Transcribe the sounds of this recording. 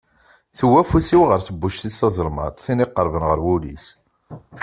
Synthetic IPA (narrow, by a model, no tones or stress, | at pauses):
θəwːæfusiwʁəɾθəbːuʃθisɑzˤəɾˤmɑ̰t̪ˤθiniqːəɾˤvənʁəɾwulis